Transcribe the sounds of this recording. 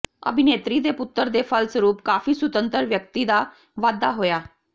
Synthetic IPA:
ə̰bʱineːt̪ɾid̪epʊt̪ːəɾd̪efʰəlsəɾuːpkaːfiːsʊt̪ə̃nt̪əɾʋjək̚t̪id̪a | ʋaːd̪aɦoːjaː

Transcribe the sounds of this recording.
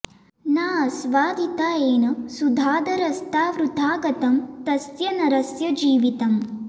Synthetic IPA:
naːsʋaːd̪it̪aːeːnɐsud̪ʱaːd̪ɐɾɐst̪aːʋɾut̪aːɡɐt̪ɐmt̪ɐsjɐnɐɾɐsjɐd͡ʒiːʋit̪ɐm

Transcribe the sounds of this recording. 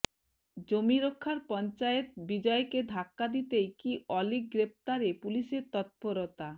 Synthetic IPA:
d͡ʑomiɾokʰːaɾpɔnt͡ɕaet̪bid͡ʑɔeked̪ʱakːad̪it̪ejkiʔɔlik̚ɡɾep̚t̪aɾepuliʃeɾt̪ɔt̪̚poɾot̪a

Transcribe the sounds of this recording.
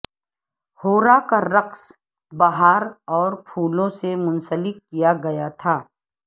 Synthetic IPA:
hoːɾakaɾɐqs | baɦaːɾɔːɾpʰuːlõsemʊ̃nsəlɪkːijaɡɐjat̪ʰaː

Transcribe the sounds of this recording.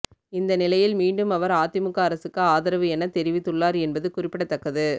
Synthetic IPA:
ɪnd̪ɐnɪlɐjɪlmiːɳɖɯmɐʋɐɾaːt̪ːɪmɯkːaːɾɐsɯkːɯaːðɪɾɐʋɯɛnɐt̪ɛɾɪʋɪt̪ːɯɭːaːɾɛnbɐðɯkʊrɪpːɪɽɐt̪ːɐkːɐðɯ

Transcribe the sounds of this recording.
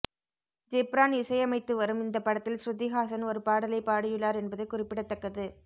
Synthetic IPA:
d͡ʒɛpɾaːnɪsɐjɐmɐɪt̪ːɯʋɐɾɯmɪnd̪ɐpːɐɽɐt̪ːɪlsɾʊd̪iɣaːsɐnɔɾɯpaːɽɐlɐɪpaːɽɪjɯɭːaːɾɛnbɐðɯkʊrɪpːɪɽɐt̪ːɐkːɐðɯ

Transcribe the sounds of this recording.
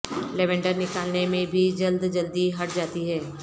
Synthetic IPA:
lɛʋɛ̃ɳɖəɾnɪkaːlnemẽbʱid͡ʒɐld̪d͡ʒɐld̪iɦɐʈ̚d͡ʒaːt̪iɦɛː

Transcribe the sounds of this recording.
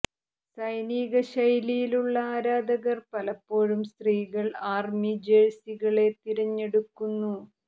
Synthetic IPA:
sɐjniːɣɐɕɐjlijiluɭːɐaːɾaːd̪ɐɣɐrpɐlɐpːo̞ːɻumst̪riːɣɐɭaːrmid͡ʑeɻsiɣɐɭe̞t̪iɾɐɲːe̞ɽukːunːu

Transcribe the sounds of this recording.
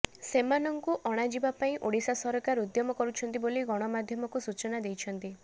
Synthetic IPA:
semanɔŋkuʔɔɽ̃ad͡ʒibapaĩʔoɽisasɔɾɔkaɾud̪jɔmɔkɔɾut͡ʃʰɔnt̪̬iboliɡɔɽ̃ɔmad̪ʱjɔmɔkusut͡ʃɔnad̪ejt͡ʃʰɔnt̪i

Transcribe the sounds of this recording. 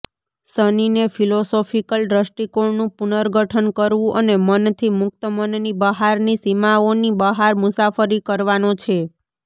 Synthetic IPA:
səninefʰilosofikəlɾəsʈikoɳnũpunəɾɡʱəʈʰənkəɾʋũʔənemənt̪ʰimʊk̚t̪əmənnibəɦaɾnisimaonibəɦaɾmʊsafəɾikəɾʋanõt͡ʃʰe

